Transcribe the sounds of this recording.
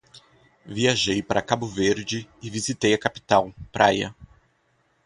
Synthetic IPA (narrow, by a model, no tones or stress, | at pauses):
viaʒejpaɾɐkabʊveɾd͡ʒɪɪvizit̪ejɐkapi̥t̪awpɾʔajɐ̰